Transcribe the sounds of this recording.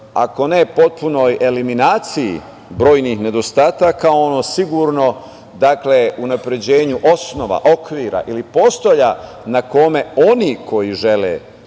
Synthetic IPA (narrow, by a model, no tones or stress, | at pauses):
a̰ko̞ne̞po̞t̪̚puno̞je̞liminaːt̪sijḭ | bɾo̞ːjnixne̞d̪o̞st̪aːt̪akaoonosiɡuɾno̞ | d̪akle̞unapɾe̞d͡ʑe̞ːɲuʔo̞sno̞ʋa̰ʔo̞kʋiːɾa̰ʔilipo̞st̪oʎa | nako̞me̞o̞nikʰo̞jiʒe̞lḛ